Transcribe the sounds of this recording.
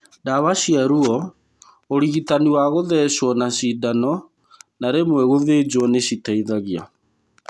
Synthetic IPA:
daβaɕiaɾuɔ | oɾiɣitaniwaɣoðɛɕwɔnaɕidanɔ | naɾemwɛɣoðed͡ʑwɔneɕitaiðaɣja

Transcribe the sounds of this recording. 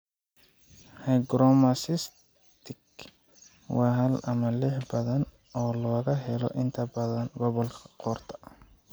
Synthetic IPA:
hajɡɾɔmɐsɪs | t̪ʰɪk | wɑːɦɐlɐmɐlɪħbɐðɐn | ɔːlɔːɣɐɦɛlɔ̰ʔɪnt̪ʰɐbɐðɐnɡɔβɔlkʰɐ̥qɔːrt̪ʰɐ̥

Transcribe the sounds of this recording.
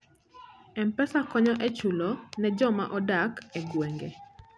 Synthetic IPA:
ɛmpɛsakɔɲɔʔɛt͡ʃulɔnɛd͡ʒɔma̰ʔɔdakɛɡweŋɡe

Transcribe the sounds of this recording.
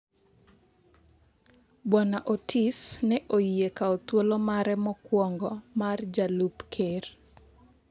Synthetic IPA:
bwanaʔotʰisnɛʔoiekaɔt̪wolomaɾɛmɔkwɔŋɡɔmard͡ʒalupkʰer

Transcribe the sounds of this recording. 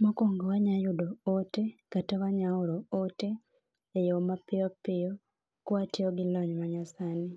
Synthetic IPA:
mokoːŋɡowaɲajudootekatewaɲauɾooteː | jomapːijopːijo | kwatioɡiloɲimaɲasani

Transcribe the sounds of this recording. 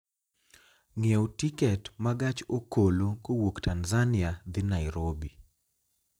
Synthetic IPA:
ŋewtikɛtmaɡat͡ʃokolokowoktanzanɪad̪ɪnaɪɾobi

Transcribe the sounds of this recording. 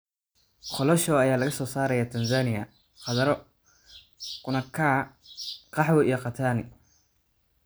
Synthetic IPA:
χɔlɔʃɔːɐjaːlɐɣɐsɔːsaːɾɐjaːt̪ʰɐnsaːnɪjɐ | χɑðɐɾɔ | kʊnɐkʰaː | qɑħwɛʔijɔqɑt̪ʰaːnɪ

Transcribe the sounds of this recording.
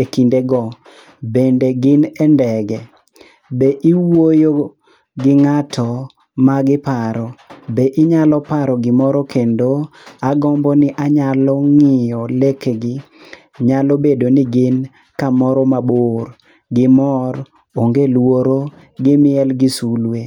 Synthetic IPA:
ekindeɡɔ | bendeɡɪnɛndɛɡɛ | beʔiwojo | ɡɪŋatʰɔ | maɡɪpaɾɔbeʔɪɲalɔpaɾɔɡɪmɔɾɔkʰendoaɡɔmbɔnɪʔaɲalɔŋɪjɔlekɡɪ | ɲalɔbedonɪɡɪn | kamɔɾɔmaboɾ | ɡɪmɔɾ | oŋɡelwoɾo | ɡɪmɪɛlɡɪsulwe

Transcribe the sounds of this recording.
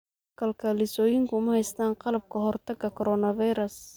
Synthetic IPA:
kʰɐlkʰɐlɪsɔːjɪŋkʰʊmɐhɛjst̪ʰaːnqɑlɐb̚kʰɐɦɔrt̪ʰɐɡɐkʰɔɾɔːnɐvɑjɾɐs

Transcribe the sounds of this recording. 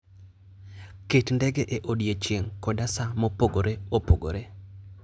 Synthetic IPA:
ketndɛɡeʔeʔodjet͡ʃjeŋkɔdasamopoɡoɾeopoɡo̰ɾe

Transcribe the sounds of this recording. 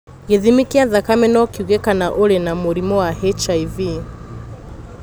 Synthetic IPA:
ɣeðimikiaðakamɛnɔkiuɣɛkanaʔoɾenamoɾimɔwahɛt͡ʃaivi

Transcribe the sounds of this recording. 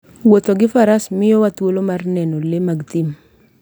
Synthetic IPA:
wot̪oɡɪfaɾasmɪjɔwat̪wolomarnɛnolemaɡt̪im

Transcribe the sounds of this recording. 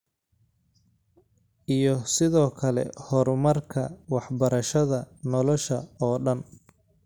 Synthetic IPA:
ʔijɔsɪðɔːkʰɐlɛ̰hɔɾmɐrkʰɐ̰wɑħbɐɾɐʃɐðɐnɔlɔʃɐɔːɖɐn

